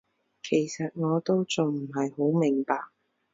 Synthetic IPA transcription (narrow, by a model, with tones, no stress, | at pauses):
kʰe˨˩jsɐ˨t̚ŋɔː˨˧t̪o˥wt͡sʊ˨ŋm̩˨˩ɦɐ˨jho˨˥wmɪ˨˩ŋpaː˨k̚